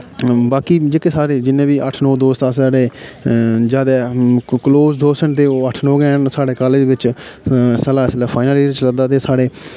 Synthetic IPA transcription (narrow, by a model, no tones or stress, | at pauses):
baːkiːd͡ʒekesaːɾeːd͡ʒɪnːẽːbiːʔəʈʰnɔːd̪oːst̪aːsaːɽeː | d͡ʒaːd̪ɛːkloːzd̪oːsənt̪eːoːəʈʰnoːɡɛːnsaːɽeːkaːleːd̪eʋɪt͡ʃ | səlaːsəlaːpʰaːɪnəliɪt͡ʃləd̪aːt̪̬eːsaːɽeː